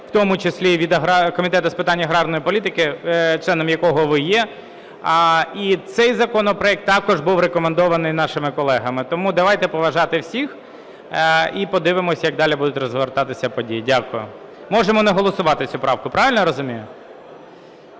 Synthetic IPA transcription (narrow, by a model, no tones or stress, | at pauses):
wt̪ɔmʊt͡ʃesʲlʲiʋʲid̪ɐɦɾɑkɔmʲit̪ɛt̪ʊspɪt̪ɑnʲːɐɦɾɑrnɔjipɔlʲit̪ɪkɪt͡ʃlˠɛnɔmjɐkɔɦɔʋɪjɛ | it̪sɛjzɐkɔnɔpɾɔjɛk̚t̪ːɑkɔʒbuwɾekɔmend̪ɔʋɐnɪjnɑʃɪmɪkɔlˠɛɦɐmɪt̪ɔmud̪ɐʋɑjt̪ɛpɔʋɐʒɑt̪ɪwsʲix | ipɔd̪ɪʋɪmɔsʲjɐɡ̚d̪ɑlʲibud̪ʊtʲrɔzʋert̪ɑt̪ɪsʲɐpɔdʲijidʲakʊjʊ̰ | mɔʒemɔnɛɦɔlˠɔsʊʋɑt̪ɪt͡sʲupɾɑwkʊpɾɑʋʲɪlʲnɔɾɔzʊmʲijʊ